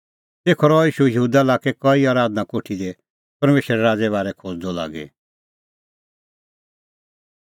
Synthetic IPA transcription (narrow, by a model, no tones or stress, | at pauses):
t̪eːkʰɔɾɔiːʃujəɦuːd̪aɪlaːkɛkɔiaːɾaːd̪nãkoʈʰid̪ɛ | pɐɾmeːʃɾɛɾaːd͡zɛβaːɾɛkʰod͡zd̪ɔla̰ːɡɛ̰